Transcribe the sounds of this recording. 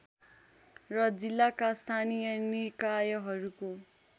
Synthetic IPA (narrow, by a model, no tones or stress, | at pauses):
rʌd͡zilːakast̪ʰanijʌnikajʌɦʌɾuko